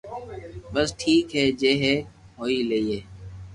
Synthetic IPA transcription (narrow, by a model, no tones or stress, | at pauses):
ɓəsʈʰiːkɦɛːd͡ʒeːɦeːɦoːiːləiːɦeː